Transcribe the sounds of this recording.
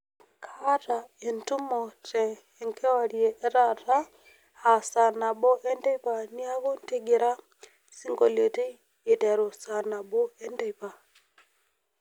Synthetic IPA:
kʰa˦ta˨e˨ntu˦mɔ˨t͡ʃɛ˨ | ŋkʰe˦wa˨ɾi˨e˨ʔe˦ɾa˦˨ta˦ | a˨sa˨na˨ɓɔ˦ʔe˦nde˦pa˨ni˦a˦βo˦n˦te˦ɡe˨ɾa˦ | si˦ŋɡo˨le˨te˦ | e˨te˨ɾo˨sa˨na˨ɓɔ˦e˦nde˦˨pa˨

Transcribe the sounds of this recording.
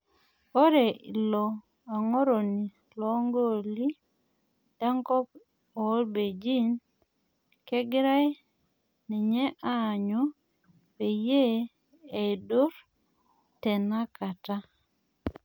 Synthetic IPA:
o˦ɾe˨i˨lɔ˨ | a˨ŋɔ˦ɾo˨ni˨ | lɔ˨˦ŋɡo˦li˦ | da˦ŋkɔ˦p̚ | ɔː˨˦lbe˨d͡ʒi˦n | kɛ˦ɡɾa˦j | ni˨ɲɛ˦ʔaː˦˨ɲo˦ | we˨je˦ | e˨dʊ˦ɾ | tɛ˨na˦ka˨ta˦

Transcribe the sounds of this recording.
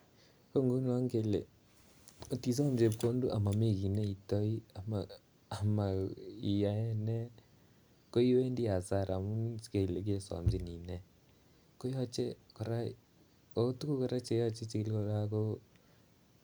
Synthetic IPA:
ko˦ŋɡu˦nwa˦ŋke˨le˨ | o˨ti˨sɔ˦md͡ʒe˨p̚ko˦ndu˦ʔa̰˨ma˨me˦˨ki˨ne˦i˨to˦i˦a˨ma | a˨ma˨i˨ja˨ɛ˦nɛ˦ | ko˦i˦we˦ndi˦a˨sa˦˨ɾa˨mu˦ske˨le˨k̬e˦sa̰˨md͡ʒe˦ni˨nɛ˦ | ko˦jɔ˦t͡ʃe˦ko˨ɾa˦ | o˨˦tu˦ku˦ko˨ɾa˦t͡ʃe˨jɔ˦t͡ʃe˦t͡ʃi˨ki˦lko˨ɾa˦ko˦

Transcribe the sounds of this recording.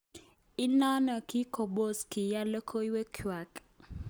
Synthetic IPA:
i˦nɔ˦nɔ˨ki˦kʰo˨ɓo˦ski˨ja˦lɔ˦kʰo˦i˦we˦kʰwa˨k

